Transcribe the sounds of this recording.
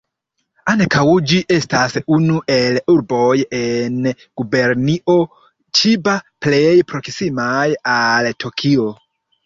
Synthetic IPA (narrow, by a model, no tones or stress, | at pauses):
ankawud͡ʒiʔestasunuʔeluɾbojen | ɡ̥ubeɾniʔo̞ | t͡ʃibaplejpɾoksimajaltʰokʰio